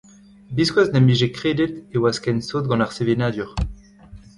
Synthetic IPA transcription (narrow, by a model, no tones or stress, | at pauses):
biskwaznɛmiʒekχed̪et̪ewaskɛnsoːt̪̚ɡɑ̃naʁsevenaːd̪yʁ